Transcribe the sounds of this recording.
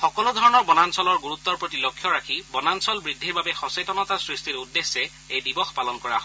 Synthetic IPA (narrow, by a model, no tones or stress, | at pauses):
xɔkɔludʱɔɹɔnɔɹbɔnansɔlɔɹɡuɹut̪ːɔɹpɹotilɔkʰːjɔɹakʰibɔnansɔlbɹid̪ʱːiɹbabɛxɔsetɔnɔtasɹistiɹudːesːɛ | ejdibɔxpalɔnkɔɹaɦ